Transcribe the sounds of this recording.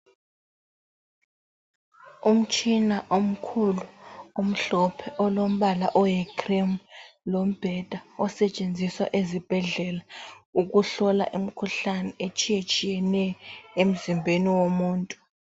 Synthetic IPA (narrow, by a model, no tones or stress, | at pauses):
um̩t͡ʃʼʰinaʔom̩kʰuluom̩ɬɔpʰɛʔɔlom̩ɓalaʔɔjɛkʰrimlom̩b̥ʱɛd̥ʱaɔsɛt͡ʃʼend͡zʱiswa̰ʔezib̥ʱɛɮɛlauk̬uɬɔla̰ʔim̩kʰuɬanɛet͡ʃʼijet͡ʃʼijɛnɛjɔem̩zimbʱeniwomuːntʼu